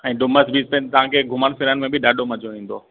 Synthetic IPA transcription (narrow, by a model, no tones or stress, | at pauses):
ɛ̃ːɖʊməsbʱipɛ̃nt̪ɐʋ̤ãkʰeɡʱʊməñfɪɾənɪmẽbɪɗaːɗomɐd͡ʑʱoʋĩːn̆d̪oː